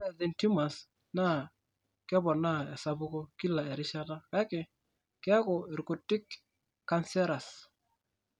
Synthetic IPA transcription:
ðɛ˨nti˦ma˨s | na˦˨ | kɪ˦bɔ˨na˦ɛ˨sa˦bu˦ko˦ki˦la˨ɛ˨ɾɪ˦ʃa˦da˦ka˨˦kɪ˨ | kɪ˦a˦kɔ˨ɛ˨ɾko˨tːɪ˦kː | a˦nsɛ˦ɾa˨s

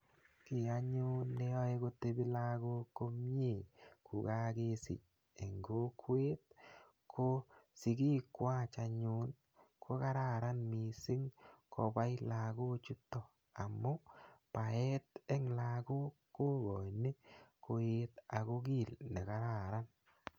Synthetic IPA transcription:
kɪ˨a˦ɲʊ˦nːe˦ɔ˦e˦ko˦t̪e˦bi˦la˦ɡo˦ko˦m˦e˦˨ku˨ka˦ɡe˦sɪ̰˨t͡ʃ | e˨ŋɡo˦kwe˦t̪̚ | kʰo˦sɪ˨ki˦kwa˦t͡ʃa˧ɲʊ˦n | kʰo˦ka˦ɾa˦˨ɾa˦nmi˨sɪ˦ŋkʰo˨˧ba˦jla˨ɡo˦t͡ʃu˦t̪ːɔ˨ | a˨mːʊ˦pa˨ɛ˦t̪ɛ˦ŋla˨ku˦ko˦ɡɔ˨jni˦ko˦e˦t̪a˨ko˦ɡi˦˨lne˨ka˦ɾa˦˨ɾa˦n

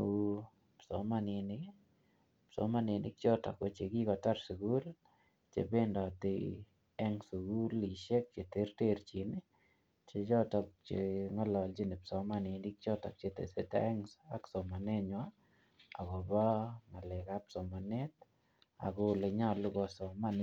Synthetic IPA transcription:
psɔ̰˨mani˨ni | pso̰mani˨ni˦k̚t͡ʃɔ˦ta̰˨ko˨t͡ʃe˨ki˦kɔ˨ta˦ɾsu˨ɡu˦l | t͡ʃḛ˨be˦ndɔ˨ti | ɛ˦ŋsuɡu˦li˨ʃe˦k̚t͡ʃe˨te˦rteɾt͡ʃini | t͡ʃe˨d͡ʒɔ˦tɔ˨k̚t͡ʃeŋɔ˦lɔ˨lt͡ʃi˦ne˨psɔ˨mani˨ni˦k̚t͡ʃɔ˦ta̰˨k̚t͡ʃetḛ˨seta̰ɛ˦ŋsaksɔ˨ma˨ne˦ɲwa | a˨ɡɔ˨ba˦ma˨lɛ˨ka˦psɔ˨ma˨ne˦t̪̚ | a̰˨ɡo˦le˧ɲa˦lu˦ɡɔ˨sɔ˨man

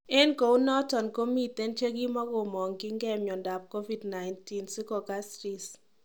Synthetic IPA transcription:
ɛ˦nko˨u˦nɔ˦tɔ˨nko˦mi˨t̪ɛ˦nt͡ʃe˦ɡi˦mɔ˦ɡʊ˨mɔ˨ŋɡɪ˦ŋɡɛ˦mjɔ˨nda˨p̚ko˦vi˦˨dna˨ɪnti˦nsɪ˦kɔ˨ka˦sɾi˨s

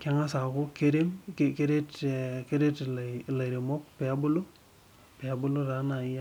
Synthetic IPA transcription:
ka˦ŋa˦sa˨ko˦ke˦ɾe˦mkke˦ɾe˦tke˦ɾe˦tlla˨ɾe˨mo˦k̚pe˨a˦bu˦lo˦ | pe˨a˨˦bu˦lo˦ɾa˨˦na˨i˦ja˦

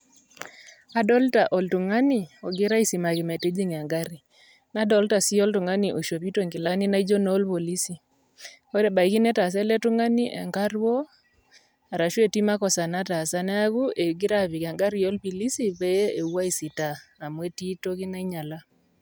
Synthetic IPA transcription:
a˨dɔ˦lta˨ʔɔ˨ltu˨ŋa˦ni˨ɔ˨ɡɪ˦ɾa˦i˦si˨ma˨ki˨me˨te˦d͡ʒi˦ŋ˨a˨ŋɡa˦ɾi˨ | na˦dɔ˦lta˨si˦ɔ˦ltu˨ŋa˦ni˨ʔo˨ʃo˨pi˦to˦˨ŋkɪ˨la˦ni˦na˦i˦d͡ʒo˦noː˦lpo˨li˦si˨ | o˦ɾɛ˨ba˨i˨ki˦nɛ˦ta˨s̬ɛ˦lɛ˦tu˦ŋa˦ni˦ʔḛ˨ŋka˦rwo˦ | a˨ɾa˨ʃwe˦˨ti˦ma˦kɔ˨sa˨na˦ta˨sa˦nɛ˦a˦ku˦e˨ɡɪ˦ɾa˦βi˨ka˨ŋɡa˦ɾi˦jo˦lpi˨li˦si˨pe˦je˦e˨wa˦i˨si˨taː˨mwe˦ti˦to˦ki˦na˦i˦ɲa˨la˦

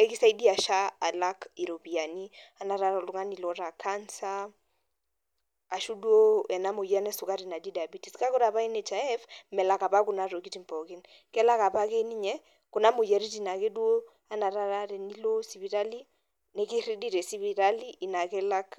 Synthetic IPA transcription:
ɛ˦kɪ˦sa˦i˦di˦a˨ʃa˦a˨la˦ki˨ɾo˨pi˨a˨ni˦a˨na˨ɾa˦ɾa˨lʊ˦ŋa˦ni˨lɔ˦ɾa˨kʰa˦nsa˦ | a˨ʃu˦du˦o˦ɛ˨na˦mo˨ja˦nɛ˦sʊ˨ka˦ɾi˨na˨di˦da˨bi˦ti˨ska˦ko˦ɾa˨βa˦i˦nɛ˨t͡ʃa˨ɛ˦fmɛ˨la˨ka˨pa˦kʊ˨na˨ɾo˨ki˦ti˦mpɔ˨kɪ˦n | kɛ˦la˦ka˨pa˦kɛ˦ni˦ɲɛ˦ | kʊ˨na˦mo˨ja˨ɾi˦ti˨na˨ke˦dwo˦ | a˦na˨ɾa˦ɾa˦ɾɛ˨ni˦lo˦si˨βi˨ɾa˦li˦ | nɛ˦kɪ˦ɾi˦di˦˨ɾɛ˨si˦βi˦ɾa˦li˦ʔːna˨kɛ˦la˦k

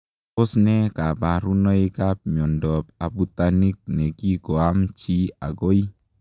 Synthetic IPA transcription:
ʊ˦snɛ˦ka˨ba˨ɾu˦nɔ˦ɪ˦ka˦p̚m˨ɔ˨ndɔ˨pa˨bu˨ta˨ni˦k̚ne˨ki˦ɡɔ˨a˦mt͡ʃi˦a̰˨ɡo˦i˦

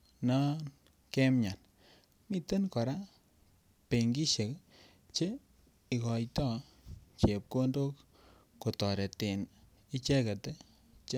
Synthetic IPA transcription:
na˦n | kɛ˦mɲa˨n | mi˦te˦nkɔ˨ɾa˦ | pe˨ŋɡi˦ʃe˨k | t͡ʃe˦ | i˨kɔ˨jtɔ˦ | t͡ʃe˨p̚ko˦ndo˦kː | o˨tɔ˨ɾe˨te˨n | i˦t͡ʃɛ˦ke˨te˦ | t͡ʃ

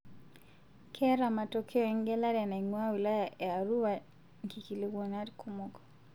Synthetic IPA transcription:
kʰɛ˦ɾa˨ma˨to˨kʰe˦ɔ˨ɛ˦ŋɡɛ˦la˦ɾɛ˨nɛ˨ŋwa˦wi˨la˦ja˨ʔe˨a˨ɾu˦wa˨ | ŋki˨ki˨le˨ɡo˨na˦dkʰu˦mo˦kɔ̥˨

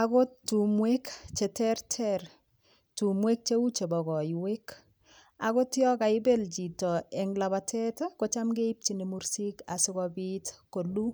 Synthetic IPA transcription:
ako˦tːu˨mwekt͡ʃe˨tɛrtʰɛr | tu˨mwe˦k̚t͡ʃe˦u˦t͡ʃe˨bɔ˨ɣɔ˨jwek | ako˦tjɔ˦ka˨ɪbe˦lt͡ʃi˨tɔ˨ɛ˨ŋlaβatʰɛ˦tko˦t͡ʃa˦mɡe˦ip̚t͡ʃine˨muɾsi˦ka˨sɪ˦kɔbitko˨lu˦

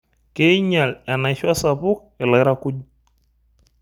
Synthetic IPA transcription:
ke˦i˦ɲa˨lɛ˨na˨ʃa˦sa˨pʊ˦k̚ | ɪ˨la˨jɾa˦ku˦d͡ʒ

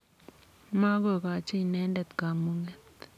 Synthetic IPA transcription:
ma˦ko˦˨ka˨t͡ʃi˦nɛ˦ndɛ˨t̪ka˨mu˦ŋɛ˦t̪

